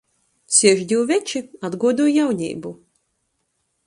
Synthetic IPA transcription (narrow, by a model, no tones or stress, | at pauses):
sʲiɛʒd̪ʲiwvʲɛt͡ʃiad̪ɡuɔd̪uːjjawɲḭːbu